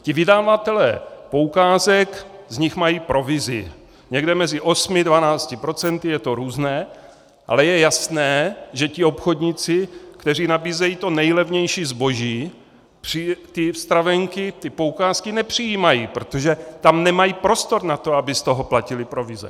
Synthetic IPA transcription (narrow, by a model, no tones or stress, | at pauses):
cɪvɪdaːvat̪ɛlɛ̰ːpo̞ukaːzɛkzɲɪxmajiːpɾo̞vɪzɪ̰ | ɲɛɡdɛmɛzɪʔo̞smɪdvanaːt͡scɪpɾo̞t͡sɛnt̪ɪjɛt̪o̞ɾuːznɛː | ʔa̰lɛjɛjasnɛːʒɛcɪo̞pxodɲɪt͡sɪkt̪ɛr̝iːnabiːzɛjiːt̪o̞nɛjlɛvɲɛjʃiːzbo̞ʒiː | pr̥it̪ɪfst̪ɾavɛŋkɪt̪ɪpoukaːskɪnɛpr̥ijiːmajiːpɾot̪oʒɛt̪amnɛmajiːpɾo̞st̪o̞ɾnat̪o̞abɪst̪oɦoplacɪlɪpɾovɪzɛ̰